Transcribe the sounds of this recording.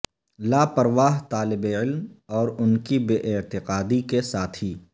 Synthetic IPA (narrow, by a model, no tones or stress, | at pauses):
laːpɐɾʋaːɦt̪aːlɪbeɪlmɔːɾʊnkibeːʔɪt̪ɪqaːd̪ikesaːt̪ʰiː